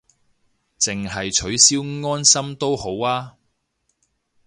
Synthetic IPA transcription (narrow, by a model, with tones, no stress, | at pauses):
t͡sɪ˨ŋɦɐ˨jt͡ʃʰɵ˨˥ɥsiː˥wŋɔː˥nsɐ˥mt̪o˥who˨˥waː˥